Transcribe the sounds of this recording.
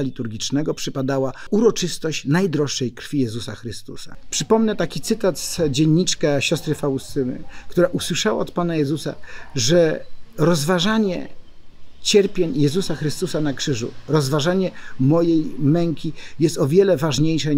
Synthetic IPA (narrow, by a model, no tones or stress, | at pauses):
alʲit̪uɾɡʲit͡ʂnɛɡɔpʂɘpad̪awauɾɔt͡ʂɘst̪ɔɕt͡ɕnajd̪ɾɔʂːɛjkɾfʲijɛzusaxɾɘst̪ṵsa̰pʂɘpɔmnɛt̪akʲit̪sɘt̪at̪sd͡ʑeɲːit͡ʂkaɕɔst̪ɾɘfawust̪ɘnɘ̰kt̪uɾaʔuswɘʂawa̰ɔt̪panajɛzusa̰ʐɛɾɔzvaʐaɲɛ̰ | t͡ɕɛɾpʲjeɲjɛzusaxɾɘst̪usanakʂɘʐṵɾɔzvaʐaɲɛmɔjejmɛŋkʲijɛst̪ɔvʲjɛlɛvaʐɲejʂa